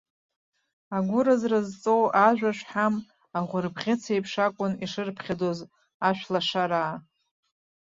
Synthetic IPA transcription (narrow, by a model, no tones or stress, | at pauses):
aɡʷʊɾazrazt͡sʼowʔaʒᶣʷaʂħam | aʁʷʊrbʁʲɪt͡sʰejpʰʂakʷʼʊniʂɨrpʰχʲadoz | aʃʷᶣlaʂaɾaː